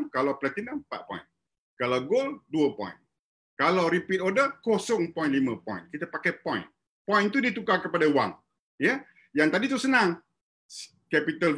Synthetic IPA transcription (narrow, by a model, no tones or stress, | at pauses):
kalawpəlat̪inəmmpa̰t̪̚pɔ̰jn | kalawɡolduəpɔ̰̃jn | kalawɾipit̪odəkosɔŋpɔjnʔlimãpɔ̰jnkit̪apakajpɔ̰̃jn | pɔjnt̪udit̪ukakəpadawa̰ŋ | jə | jaŋt̪adit̪usənaŋ | kɛpit̪əl